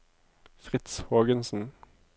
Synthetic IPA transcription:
fʁɪt̪shoːɡənsn̩

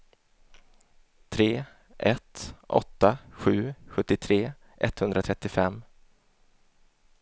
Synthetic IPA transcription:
t̪ʰɾeː | ʔɛt̪ʔɔ̰t̪ːaɧʉ̟ːɧɵt̪ːɪt̪ʰɾeː | ʔɛ̰t̪hɵnd̪ɾat̪ʰɾɛt̪ːɪfɛmː

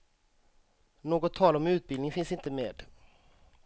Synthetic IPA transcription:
noːɡɔt̪ʰːɑːlaɾɔmʉ̟ːt̪̚bɪlnɪŋfɪnsɪnt̪əmeːd̪

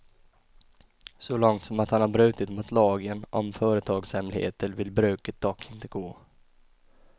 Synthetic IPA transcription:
sɔlɔŋt̪sɔmat̪hanhaɾbɾʉ̟ːt̪ɪt̪mʊt̪ʰlɑːɡənɔmfœːɾət̪ʰɑːɡshɛmlɪhḛːt̪əɾvɪlbɾʉ̟ːkət̪̚d̪ɔkʰːɪnt̪əɡoː

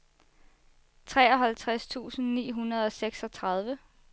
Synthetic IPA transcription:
t͡sʰʁɛːɒ̽ɦælt͡sʰʁast͡sʰṵːsn̩nḭːɦunɐð̞ˠɒ̽seɡ̥sɒ̽t͡sʰʁɑ̈ð̞ˠʋə

